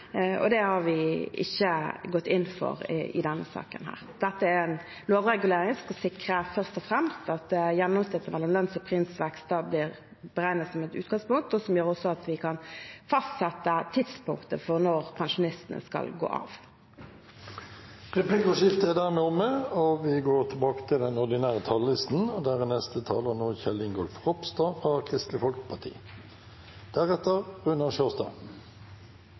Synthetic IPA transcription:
ɔ̰d̪ɛhɑʋɪɪ̰çːəɡɔt̪ːɪnːfɔ̰ɾ̰ɪ̰d̪ɛnːə̰sɑ̰ːkə̰nɦæ̰ːʁd̪̥ɛt̪ːəæɾɛn | loːʋʁɛɡʉleːɾɪŋskɑsɪkɾəfœʁst̪ɔfʁɛmst̪ɑt̪jɛnːɔmst̪ɪt̪ːəmɛlːɔmlœnsɔpʰɾɪnsʋɛkst̪̚ɑːblɪʁ | b̥əʁæɪnət̪sɔmɛt̪ʉ̰ːt̪ɡ̥ɑŋspʊŋk̚t̪ɔsɔmjøːɾɔsɔɑt̪ʋɪkʰɑnfɑst̪sɛt̪ːət̪ʰɪd̪spʊŋkt̪əfɔʁnɔʁpʰɑnʂʊnɪst̪ənə̰skɑ̰lɡo̰ːʔɑ̰ːʋ | ʁɛpʰlɪkʊʂɪft̪əæd̪æʁmeːʊməoʋɪɡoːʁt̪ʰɪbɑːkə̥t̪ʰɪld̪ɛnɔʁd̪ɪnæːʁət̪ʰɑllɪst̪n̩ɔd̪æːʁənɛst̪ət̪ʰɑːləʁnoːçɛlɪŋɡɔlfʁɔpst̪ɑːfʁɑkʰʁɪst̪lɪfɔlkəpʰɑt̪ʰḭː | d̪̥æʁɛt̪əʁʉnəʃøːst̪ɑ̰ː

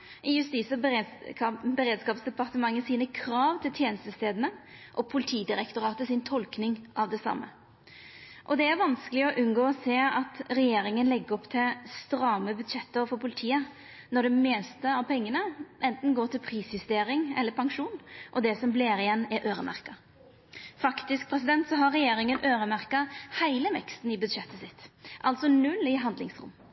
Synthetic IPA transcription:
ɪjʉst̪iːsə | bəɾeːd̪skɑːpsd̪ɛpɑɾt̪əmɑŋːəsiːnəkʰɾɑːʋt̪ʰɪlt̪ʰjeːnəst̪əst̪eːd̪ənəʔɔpʰʊlɪt̪ʰiːd̪ɪɾɛkt̪ʊɾɑːt̪əsɪnt̪ʰɔlknɪŋʔɑʋd̪ɛsɑ̰mːə̰ | ʔɔd̪ɛæɾʋɑnskəlɪɔʔʉnɡoːɔseːɑt̪ɾɛjeːɾɪŋənlɛɡːəɾɔpt̪ʰɪst̪ɾɑːməbʉd̪ʂɛt̪ːəfɔɾpʰʊlɪt̪ʰiːə | nɔɖɛmɛːst̪əɑʋpʰɛŋːənəʔɛnt̪n̩ɡoːʈ̪ɪlpʰɾiːsjʉst̪eːɾɪŋɛ̰lːəɾpʰɑŋʂuːnʔɔd̪ɛsɔmbleːɾɪjɛnːæɾʔøːɾəmʔæ̰ɾkɑ | fɑkt̪ɪsk̚pʰɾɛsɪd̪ɛnt̪sɔɦɑɾɛjeːɾɪŋənʔøːɾəmæɾkɑhæɪləʋɛ̰kst̪n̩ɪbʉd̪ʂɛt̪ːəsɪt̪ːʔɑlt̪sɔnʉlːɪɦɑnd̪lɪ̰ŋsɾʊ̰mː

